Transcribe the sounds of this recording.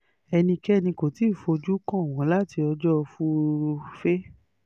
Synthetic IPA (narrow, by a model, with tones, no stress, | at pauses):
ɛ˧nĩ˧kɛ˦nĩ˧ko˨ti˨˦˨fo˧d͡ʒu˦kɔ̃˦˨w̃ɔ̃˨˦la˦ti˧ɔ˧d͡ʒɔ˦˧fu˦˧fe˦